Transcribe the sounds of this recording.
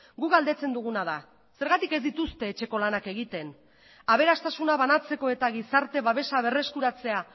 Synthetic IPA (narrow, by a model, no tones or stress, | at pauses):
ɡukɡald̪e̞t͡se̞nd̪uɣ̞unað̞a | se̞ɾɣat̪ike̞zd̪it̪ust̪e̞ːt͡ʃe̞ko̞lanake̞ɣ̞it̪e̞n | aβ̞e̞ɾast̪asunaβanat͡se̞ko̞e̞t̪aɣ̞isaɾt̪e̞βaβe̞saβe̞re̞skuɾat͡se̞a